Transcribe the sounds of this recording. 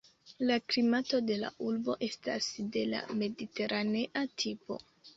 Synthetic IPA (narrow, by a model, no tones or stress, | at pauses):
laklimato̞de̞la̰ʔulbo̞ʔe̞sta̰sde̞la̰me̞dite̞ɾʔane̞ʔatʰipo̞̰